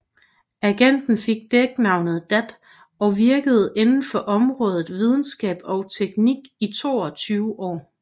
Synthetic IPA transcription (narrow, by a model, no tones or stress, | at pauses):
æɡ̥en̰d̥n̩fe̝ɡ̥̚d̥eɡ̥nɑ̈ʊnəð̞̩ˠd̥æd̥ | ɒ̽ʋiɐɡ̥əð̞̩ˠe̝nn̩fɒ̽ʔɒ̽mʁɔ̽ːð̞ˠð̩ˠʋið̞ˠn̩sɡ̥ɛ̰ːb̥ɒ̽ʊt͡sʰeɡ̥niɡ̥it͡sʰo̝̰ːɒ̽t͡sʰyːʊʔɒ̰ː